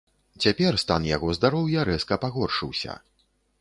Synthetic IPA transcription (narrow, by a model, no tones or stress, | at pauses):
t͡sʲapʲɛrst̪anjaɣɔzd̪aɾɔwjɐɾɛskɐpaɣɔrʂɨwsʲɐ̰